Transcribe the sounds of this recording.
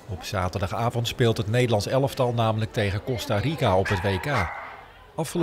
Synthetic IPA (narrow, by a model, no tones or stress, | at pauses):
ɔpsaːtəɹdɑχaːvɔntspɪːlˠtɦətnejdəlɑnsɛləftɑlˠnaːmələk̚tejχəkɔstarikaɔpɦətʋejkaː | ʔɑfχəl